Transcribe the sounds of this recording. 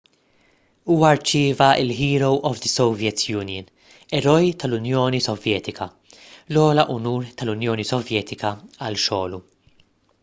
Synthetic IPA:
uːwɐɾt͡ʃɪːvɐɪ̰lɦiːɾowʔɔvd̪əsɔwvjɛt̪ʰjuːnjən | ɛɾɔjt̪ɐlʊnjɔːnisɔvjɛːt̪ɪkɐ | lɔːlɐʔʊnuːɾt̪ɐlʊnjɔːnisɔvjɛːt̪ɪkɐɐlʃɔːlu

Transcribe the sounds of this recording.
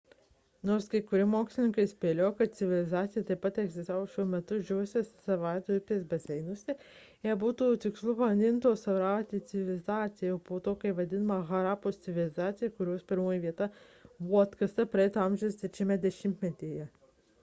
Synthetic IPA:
noːɾskɐɪkʊɾʲɪmoːkslʲɪnʲɪŋkɐɪsʲpʲeːlʲoːkɐt̪̚sʲɪʋʲɪlʲɪzɑːt̪sʲɪjɛt̪ɐɪpːɐt̪ɛɡzʲɪst̪aːʋoːʃʲuɔmʲɛt̪ʊʒʲɛʋʊsʲessɐʋɑˑɪt̪opʲt̪ʲeːsbɐsʲɛɪnʊsʲɪ | ɛbuːt̪uːt̪ʲɪkslˠʊpɐɐnʲd̪ʲɪnt̪oːsɐʋɾɑːt̪ʲɪt̪sʲɪʋʲɪlʲɪzɑːt̪sʲɪjɛoːpoːt̪oːkɐɪʋɐd̪ʲɪnɐmɐɣɐɾɑːpoːst̪sʲɪʋʲɪlʲɪzɑːt̪sʲɪjɛkʊɾʲoːspʲɪɾmoːjɛʋʲiɛt̪ɐ | buɐt̪kɐst̪ɐpɾɐɛɪt̪oɑmʲʒʲɛʊst̪ʲɛt͡ʃʲɪmʲɛd̪ʲɛʃʲɪmʲt̪ʲmʲɛt̪ʲeːjɛ

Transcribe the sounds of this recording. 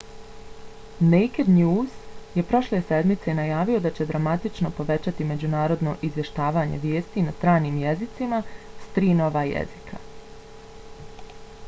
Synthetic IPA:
nejked̪njuːzje̞pɾo̞ʃle̞se̞d̪mit̪se̞najaːʋio̞d̪at͡ɕe̞d̪ɾamat̪it͡ʃno̞po̞ʋe̞t͡ɕat̪ime̞d͡ʑunaːɾo̞d̪no̞ʔizʋje̞ʃt̪aːʋaːɲe̞̰ʋjeːst̪inast̪ɾaːniːmjezit̪simast̪ɾiːno̞ʋaːjḛzikʰa̰

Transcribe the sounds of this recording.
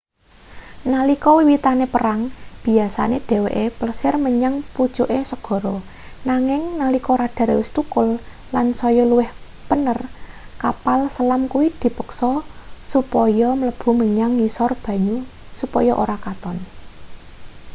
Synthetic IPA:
nalikɔwiwit̪anepəɾaŋb̥i̤asa̰ned̪̥e̤weʔepləsɪrməɲaŋpu̥t͡ʃuʔesəɡ̥ɔ̤ɾɔ | naŋɪŋnalikɔɾad̥a̤ɾewɪst̪ukʊl | lansɔjɔluwɪh | pənər | kapalsəlamkuwid̪̥i̤pəksɔsupɔjɔmələb̥ṳməɲaŋːisɔrb̥ä̤ɲu | supɔjɔʔo̰ɾakat̪ɔn

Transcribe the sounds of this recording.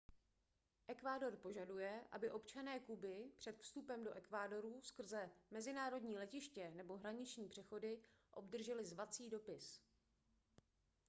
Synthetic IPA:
ʔɛkvaːdo̞rpo̞ʒadujɛʔa̰bɪʔo̞pt͡ʃanɛːkubɪpr̥ɛt̪fst̪upɛmdo̞ʔɛkvaːdo̞ɾuːskr̩zɛmɛzɪnaːɾo̞dɲiːlɛcɪʃcɛnɛbo̞ɦɾaɲɪt͡ʃɲiːpr̝̥ɛxo̞dɪʔo̞bdr̩ʒɛlɪzvat͡siːdo̞pɪs

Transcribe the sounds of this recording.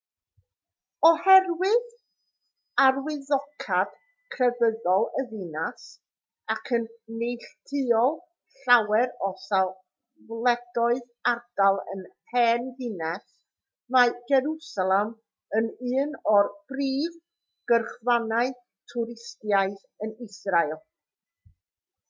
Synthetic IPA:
ɔhɛrwɪð | arwɪðɔkʰad̥ | kʰrɛvəðɔlˠəðinas | akʰənnejɬtʰɨɔlˠ | ɬawɛɾɔsalˠ | vlˠɛɡɔɨð | ard̥alˠə̰nhʰɛːnðɪnɛs | maɨɡɛɾusalˠɛm | ənɨːnɔrb̥riːð | ɡ̥ərχwanaɨ | tʰʊɾɪstjaɨθ | ənɪsrajlˠ

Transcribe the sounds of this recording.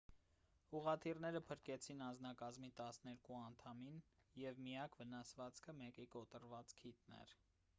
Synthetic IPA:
uʁɑt̪ʰirnɛɾəpʰəɾkɛt͡sʰinɑnd͡znɑkɑzmit̪ɑsnɛɾkuɑnt̪ʰɑminjɛvmijɑkvənɑsvɑt͡skʰəmɛkikɔt̪əɾvɑt͡skʰit̪nɛ̰ɾ

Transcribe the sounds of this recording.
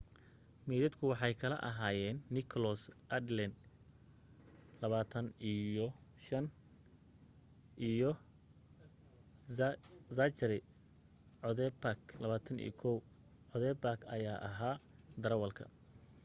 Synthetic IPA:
mɛːðɐd̪kʰʊwɑħɑjkʰɐlɐ̰ʔɐ̰ɦaːjɛːnːɪkʰɔlɔsʔɐd̪lɛn | lɐβaːt̪ʰɐnijɔʃɐn | ʔijɔ | zat͡ʃɾɪ | ʕɔðɛpaklɐβaːt̪ʰɐnḭːkʰɔw | ʕɔðɛbakʰɐ̰jaːʔɐɦaːd̪ɐɾɐwɐlkʰɐ̰

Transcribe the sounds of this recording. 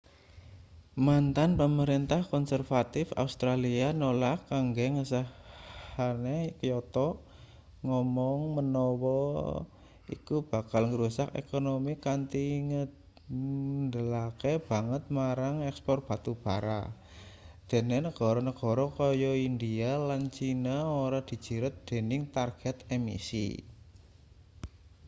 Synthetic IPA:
mant̪anpəməɾint̪ahkɔnsərfat̪ɪfa̰ust̪ɾalianolakːaŋɡeŋəsəhanekəjɔt̪ɔʔ | ŋɔmɔŋmənɔwɔ | ḭkub̥a̤kalŋəɾusakḛkonomikant̪iŋə | nd̪əlakeb̥a̤ŋət̪̚maɾaŋɛkspɔrt̪̚b̥a̤t̪ub̥a̤ɾa̰ | d̪̥e̤nenəɡ̥ɔ̤ɾɔnəɡ̥ɔ̤ɾɔkɔjɔind̪ialant͡ʃinaoɾad̪̥i̤̥d͡ʒ̥i̤ɾʊt̪̚d̪̥e̤nɪŋt̪arɡ̥ɛt̪ɛmḭsḭ

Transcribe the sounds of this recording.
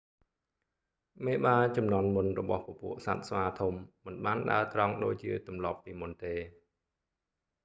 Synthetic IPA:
meːɓaːt͡ɕɑmnŏənmunrɔɓɑhpopṵəʔsa̰t̪̚sʋaːt̪ʰumːɨnɓaːnɗa̰ət̪rɑŋɗoːc̚t͡ɕiət̪umlɑpːiːmunt̪eː

